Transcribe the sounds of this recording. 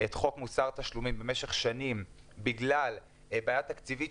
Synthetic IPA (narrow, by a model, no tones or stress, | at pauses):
et̪χo̞kmusaʁt̪aʃlumimbe̞meʃe̞χʃanimbiɡlal | baːjat̪akt͡sivi